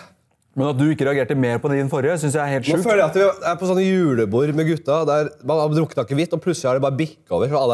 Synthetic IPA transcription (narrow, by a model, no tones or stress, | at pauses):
mɛnɑt̪̚d̪ʉɪkːəɾɛɑɡeːʈːəmeːɾpɔd̪ɛd̪ɛnfɔɾjəsʏnsjæɪæɾheːlɛʉːføːləjæɑt̪ʋɪd̪ɛæɾpʰɔsɔnːəjʉːləbuːɾmɛɡʉt̪ːɑd̪æɾmɑnɑd̪ɾʊkət̪ɑkːəʋɪt̪ːɔpʰlʉsəlɪhæɖɛbɑːɾəbɪkːo̰ːʋəɾfɔɾɑlː